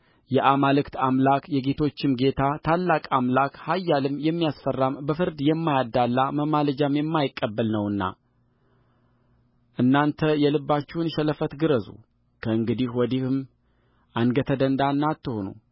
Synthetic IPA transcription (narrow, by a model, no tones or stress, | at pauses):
jɛʔamalɨkt̪amlakjɛɡe̞t̪ʰo̞t͡ʃːɪmɡe̞t̪ʰat̪ʰalːakʼamlakhajːalɨmːjɛmːijasfərːambəfɨɾd̪jɛmːajad̪ːalːaməmaləd͡ʒamjɛmːajɪkʼːəbːəlnəwɨnːa̰ | ʔɨnːant̪ʰəjɛlɨbːat͡ʃːɛhnʃɛləfət̪ɡɨɾəzṵ | kʰəɨŋɡɨd̪ihwɔd̪ihɨm | ʔanɡət̪ʰəd̪ənd̪anːat̪ːɨhonṵ